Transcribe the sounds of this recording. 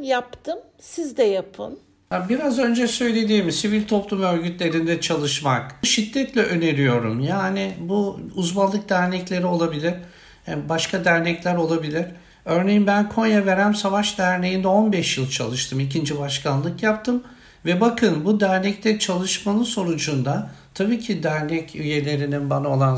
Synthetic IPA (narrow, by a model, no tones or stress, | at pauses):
japt̪ʰɯm | sizd̪ɛjapʰɯ̰n | abiɾazø̞nd͡ʒɛsø̞jlʲe̞d̪iːmsivilʲt̪ʰo̞plˠumø̞ɾʲɟyt̪lʲe̞ɾind̪ɛt͡ʃʰalˠɯʃmakʃid̪ːɛt̪lʲɛʔø̞ne̞ɾijo̞ɾumjaːnibuuzmalˠːɯk̚d̪æɾnɛclʲe̞ɾio̞lˠabilʲiɾ̥ | baʃkʰad̪æɾnɛclʲæɾo̞lˠabilʲiɾ̥ | ø̞ɾnejimbænkʰo̞njave̞ɾæmsavaʃd̪æɾnejind̪ɛo̞nbɛʃjɯlˠt͡ʃʰa̰lˠɯʃt̪ʰɯmicʰind͡ʒibaʃkanlˠɯkjap̚t̪ʰɯm | vɛbakʰɯnbud̪æɾnɛc̚t̪ʰɛt͡ʃʰalˠɯʃmanɯnso̞nud͡ʒund̪at̪ʰabiːcʰid̪æɾnɛcyje̞lʲe̞ɾininbanaolˠan